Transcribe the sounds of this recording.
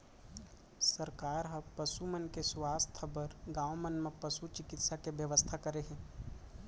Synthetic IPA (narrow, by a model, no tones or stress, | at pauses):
səɾkaːɾɦə̃pəsumənkeswaːst̪ʰəbəɾɡãːʋmənmẽpəsut͡ʃɪkɪt̪sakeʋjəʋəst̪ʰakəɾeɦɛ̃ː